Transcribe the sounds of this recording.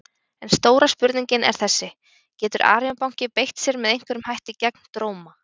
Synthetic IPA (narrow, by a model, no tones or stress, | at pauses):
ɛnst̪oːwɾaspʏɾt̪niɲcɪnɛ̰ɾ̥θɛsːɪ | cɛːt̪ʏɾʔa̰ːɾjɔnpawŋ̥cɪpejht̪sjɛɾmɛðejŋ̥kvɛɾʏmhajht̪ɪcɛk̚n̥t̪ɾoːwma